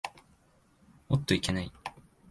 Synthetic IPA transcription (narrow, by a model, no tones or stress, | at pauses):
ot̪ːoikenai